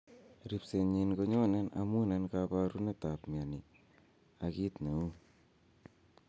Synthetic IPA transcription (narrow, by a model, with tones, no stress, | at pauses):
ɾi˨pse˨ɲi˨nko˦ɲo˦ne˦na̰˨mu˦ne˦nkapaɾu˦ne˦ta˨pmja˨ni˨ | a˨ki˦t̪na˨u˦